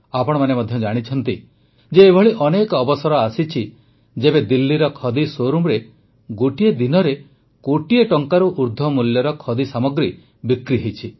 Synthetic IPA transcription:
apɔɽ̃ɔmanemɔd̪ʱjɔd͡ʒaɽ̃it͡ʃʰɔnt̪i | d͡ʒeːbʱɔɭiʔɔnekɔɔbɔsɔɾɔasit͡ʃʰi | d͡ʒebed̪ilːiɾɔkʰɔd̪isoɾumɾe | ɡoʈied̪inɔɾe | koʈieʈɔŋkaɾuʔuɾd̪ʱɔmuljɔɾɔkʰɔd̪isamɔɡɾi | bikɾiɦejt͡ʃʰi

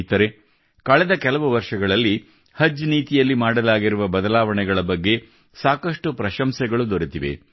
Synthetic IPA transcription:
t̪ɐɾe̞ | kɐɭɛd̪ɐkɛlɐʋuʋɐɾʂɐɡɐɭɐlːi | hɐd͡ʒːniːt̪ijɐlːimaːɽɐlaːɡiɾuʋɐbɐd̪ɐlaːʋɐɳɛɡɐɭɐbɐɡːe̞ | saːkɐʂʈupɾɐʃɐmsɛɡɐɭud̪oɾit̪iʋe̞̰

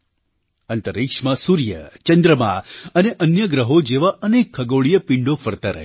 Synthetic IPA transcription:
ənt̪əɾikʂmasuɾjə̰t͡ʃənd̪ɾəmã̰əneʔənjəɡɾəɦod͡ʒeʋaʔənekʰːəɡoɭijəpɪɳɖofəɾt̪aɾə̰ɦe

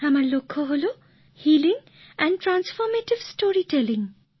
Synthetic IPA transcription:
amaɹlokʰːɔɦolo | hiliŋ | ɛnʈɾansfɔɾmeʈibsʈoɹiʈeliŋ

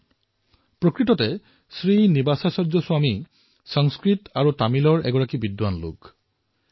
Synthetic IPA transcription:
pɹokɹitɔtɛ | sɹinibasasɔɹzɔsʊwami | sɔŋskɹitaɹutamilɔɹɛ̰ɡɔɹakibidwanlṵk

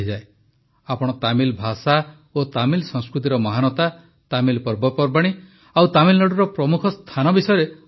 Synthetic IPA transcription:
id͡ʒae | apɔɽ̃ɔt̪amilbʱasa | ot̪amilsɔŋskɾut̪̬iɾɔmɔɦanɔt̪a | t̪amilpɔɾbɔpɔɾbaɽ̃i | awt̪amilnɔɽuɾɔpɾɔmukʰɔst̪ʰanɔbisɔjɔɾe

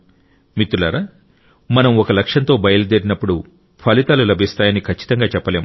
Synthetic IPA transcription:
mit̪ːulaːɾaː | mɐnɐmɔkɐlɐkʂɐnt̪o̞ːbɐjɐlud̪eɾinɐpːuɽu | pʰɐlit̪aːlulɐbʱist̪aːjɐnikʰɐt͡ʃːi̥t̪ɐŋɡaːt͡ʃɛpːɐle̞ːm

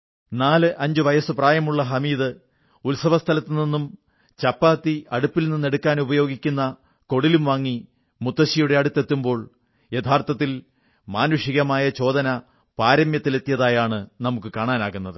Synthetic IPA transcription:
naːlɨʔɐɲd͡ʑɨʋɐjɐsɨpraːjɐmuɭːɐɦɐmiːðɨ | ulsɐʋɐst̪ʰɐlɐt̪ːininːum | t͡ɕɐpːaːt̪ːiɐɽupːilninːe̞ɽukːaːnubɐjo̞ːɡikʲːunːɐ | ko̞ɽilumʋaːŋːi | mut̪ːɐɕijuɽe̞ɐɽut̪ːe̞t̪ːumbo̞ːɭ | jet̪ʰːaːrt̪ɐt̪ːil | maːnuʂiɣɐmaːjɐt͡ɕo̞ːd̪ɐnɐ | paːɾɐmjɐt̪ːilet̪ːijɐðaːjaːɳɨnɐmukːɨkaːɳaːnaːɣunːɐðɨ

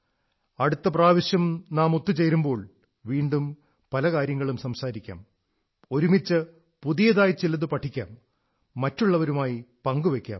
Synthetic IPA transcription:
ɐɽut̪ːɐpraːʋiɕjɐmnaːmot̪ːut͡ɕe̞jɾumbo̞ːɭ | ʋiːɳɖum | pɐlɐkaːɾjɐŋːɐɭumsɐmsaːɾikʲːa̰ːm | o̞ɾumit͡ɕːɨ | puðijɐðaːjit͡ɕilːɐðɨpɐʈʰːikʲːa̰ːmː | ɐtːuɭːɐʋɐɾumaːjipɐŋɡuʋe̞kʲːa̰ːm

